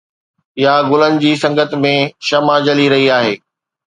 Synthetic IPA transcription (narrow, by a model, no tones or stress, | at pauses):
ɪjaɡʊlənɪ̆d͡ʑiːsɐ̃ŋɡət̪mẽʃɐmad͡ʑɐliɾɐɦiaːɦeː